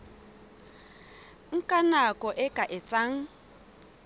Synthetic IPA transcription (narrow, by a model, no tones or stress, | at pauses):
ŋ̩kʼanakʼɔʔɪkʼaʔɪt͡sʼaŋ̩